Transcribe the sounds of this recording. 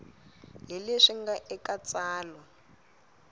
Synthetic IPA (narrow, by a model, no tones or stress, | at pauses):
ɦileʂiŋɡaʔɛkat͡sʼaːlɔ